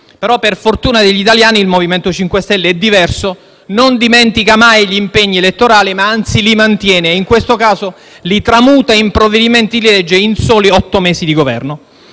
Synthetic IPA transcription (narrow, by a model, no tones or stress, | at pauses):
peɾɔpːerfort̪uːnad̪eʎːit̪aljaːniilmoviment̪ot͡ʃiŋkwest̪ɛlːeɛd̪ːivɛrso | nond̪imɛnt̪ikamajʎimpeɲːielet̪ːoɾaːlimaant̪silimant̪jɛːneiŋkwest̪okaːzo | lit̪ɾamuːt̪aimpɾoved̪iment̪id̪ililɛd͡ʒːeinsoːliɔt̪ːomɛːsid̪iɡovɛ̰rno